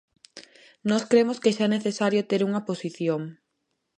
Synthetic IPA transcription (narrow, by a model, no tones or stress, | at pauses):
nɔskɾemʊskeʃaɛneθesaɾjot̪eɾuŋɐposiθjoŋ